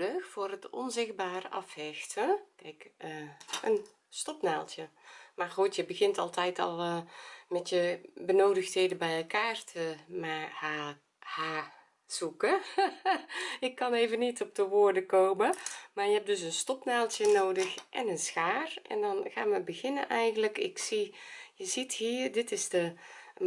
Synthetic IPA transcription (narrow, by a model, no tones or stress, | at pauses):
əxfʊːrɦətɔ̰nzɪx̚baːrəɑfhɛxtʰənkɛjkəʔən | stɔpnaːlˠtjəmarxutjəbəɣɪntɑlˠtɛjtʰɔ̰lˠmɛtjəbənoːdəxtheːdəbɛjɛlˠkaːrtʰəmaha | haː | sukə | ɪkːɑneːvənitɔp̚dəʋoːrdəkoːməmaɹjəɛp̚dɵs̬ənstɔpnaːlˠtjənoːdəxʔɛ̰nənsxaːrʔɛ̰ndɔnɣaːnʋəbəɣɪnənʔɛjɣəndləkɪ̰ksijəzithiːrdɪtɪsdə